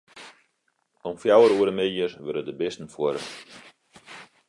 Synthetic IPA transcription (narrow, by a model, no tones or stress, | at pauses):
ɔmfjawəɾuəɾəmejərʋøɾədəbɪstn̩fuəɾə̰